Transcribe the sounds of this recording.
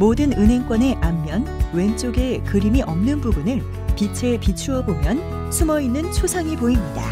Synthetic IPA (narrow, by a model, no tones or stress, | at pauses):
modɯnɯnɦe̞ŋk͈wʌne̞ʔamːjʌnwe̞nt͡ɕ͈oɡe̞kɯɾimiʔʌmnɯnbubunɯɭ | pit͡ɕʰepit͡ɕʰuʌbomjʌn | sʰumʌinːɯnt͡ɕʰosʰaŋipoimɲida̰